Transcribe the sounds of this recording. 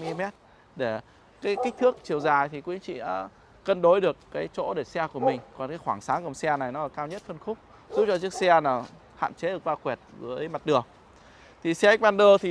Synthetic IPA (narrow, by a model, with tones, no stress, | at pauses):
mi˧i˧mɛ˦˥t̚ | ɗe˧˩ | kaː˨˦jki˦˥k̟̚t̪ʰɨ˦˥ək̚t͡ɕi˨˩əwzaː˨˩jt̪ʰi˨˩kwi˨˧˦ə˦ŋt͡ɕḭ˧˨ʔa̰ː˨˧˦ | kə˧nɗo˨˦jɗɨ˨˩əkːaː˨˦jt͡ɕo̰˧˥ɗe˧˩sɛ˧ku˧˩əmï˨˩ŋ̟kɔ˨˩nkaː˨˦jxwaː˧˩ŋsaː˨˦ŋkə˨˩msɛ˧na˨˩jnɔ˨˦aː˨˩kaː˧wɲə˦˥t̚fə˧nxʊ˦˥k͡p̚ | zu˦˥t̚t͡ɕɔ˧t͡ɕɨ˦˥əksɛ˧naː˨˩ | ha̰ː˧˨nt͡ɕe˨˦ɗək̚vaː˧kwɛ˨˩t̚zə˨˦jma˨˩t̚ɗɨ˨˩ək̚ | t̪ʰi˨˩sɛ˧˦˥k̟̚ɓaː˧nɗəː˧t̪ʰi˨˩